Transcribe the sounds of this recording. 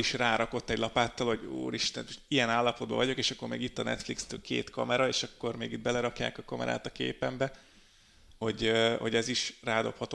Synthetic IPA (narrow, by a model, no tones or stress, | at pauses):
iʃraːɾɒko̞t̪ːɛɟlɒpaːt̪ːɒlhoɟṵːɾiʃt̪ɛnijɛnaːlːɒpo̞d̪̚bɒ̰vɒɟo̞keːʃɒkːo̞rmeːɡit̪ːɒnɛ̰t̪flikst̪øːlkḛːt̪kɒ̰mɛɾɒeːʃɒkːo̞rmeːɡid̪̚bɛlɛɾɒkja̰ːkɒkɒmɛ̰ɾa̰ːt̪ɒkḛːpɛmbɛ | ho̞ɟho̞̰ɟɛziʃraːd̪o̞phɒt̪o